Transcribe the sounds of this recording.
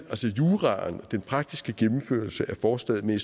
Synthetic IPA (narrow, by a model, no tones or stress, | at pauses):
ʔælsəjuːʁɑ̈nd̥enpʰʁɑ̈ɡ̥̚d̥isɡ̥əɡ̥emm̩fø̰ɐlsəʔæɐfɒːsd̥ɛ̰ð̩ˠme